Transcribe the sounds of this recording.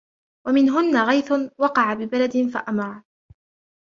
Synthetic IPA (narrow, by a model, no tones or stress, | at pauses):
wamɪnɦʊnːaɣajθʊnwɑqɑʕabɪbalad̪ɪnfaʔamɑɾˤɑ